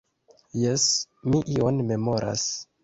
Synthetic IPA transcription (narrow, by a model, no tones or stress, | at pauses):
jesmiʔionme̞mo̞ɾʔa̰s